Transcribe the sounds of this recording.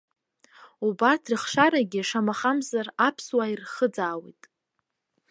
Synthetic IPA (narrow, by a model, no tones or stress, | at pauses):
ubatʰrɨχʂaɾaɡʲiʂamaχamzarapʰswairχəd͡zaːwḭjtʼ